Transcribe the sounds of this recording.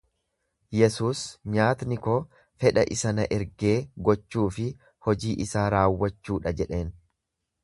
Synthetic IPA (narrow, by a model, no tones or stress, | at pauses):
jɛsuːsɲaːt̪nɪko̞ː | fɛᶑɐ̰ʔɪsɐnɐʔɛɾɡe̞ːɡɔt͡ʃːuːfɪ | hɔd͡ʒiːʔɪsaːɾaːwːɐt͡ʃːuːᶑɐd͡ʒɛᶑe̞ːn